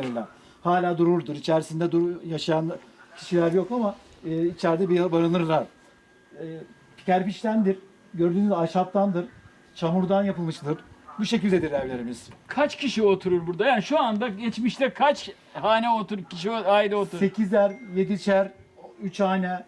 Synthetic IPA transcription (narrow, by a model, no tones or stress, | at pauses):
ɾilʲæn | haːlʲaːd̪uɾuɾd̪uɾit͡ʃʰæɾsind̪ɛd̪ujaʃajancʰi̥ʃilʲæɾjo̞kama | ɛːit͡ʃʰæɾd̪ɛbiabaɾanɯɾlˠaɾ̥ | ɛː | pʰi̥cæɾpiʃt̪ænd̪iɾ | ɟø̞ɾd̪yːnyzaʃap̚t̪ʰand̪ɯɾ̥ | t͡ʃʰamuɾd̪anjapʰɯlˠmɯʃlˠɯɾbuʃe̞cilʲd̪e̞d̪iɾævlʲe̞ɾimiz̥kʰat͡ʃcʰiʃiot̪ʰuɾuɾbuɾd̪ajaːniʃuand̪aɟɛt͡ʃmiʃt̪ɛkʰat͡ʃ | haːnɛot̪uɾcʰiʃioajilot̪ʰuɾse̞cʰizlʲæɾje̞d̪it͡ʃʰæɾyt͡ʃhaːnɛ